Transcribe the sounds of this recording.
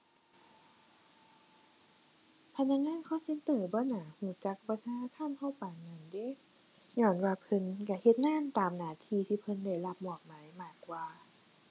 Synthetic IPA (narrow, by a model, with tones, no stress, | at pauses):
pʰa˧na˧˥k̚ŋaː˧˥˨nkʰɔː˧˥˩se˧˥nt̪ɤː˧˩bɔː˧˦naː˨˦huː˧˩t͡ɕa˧˦k̚pa˧˥t̪ʰaː˧naː˧t̪ʰaː˧˥˨nhɔ˧˥˨wpa˨˩ŋa˧˩˨nde˧˥˨ | ɲɔː˧˩˨nwaː˧pʰɤ˧˨nka˧˩he˧t̪̚naː˧˥˨mt̪aː˨˩mnaː˧˩t̪ʰiː˧t̪ʰiː˧˩pʰɤ˧˥˨nda˧˩˨jla˧p̚mɔː˨˩k̚maː˨˦jmaː˧˩kwaː˧